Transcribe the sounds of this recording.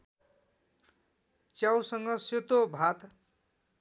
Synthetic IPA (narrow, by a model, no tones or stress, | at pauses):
t͡sjawsʌŋɡʌset̪obʱat̪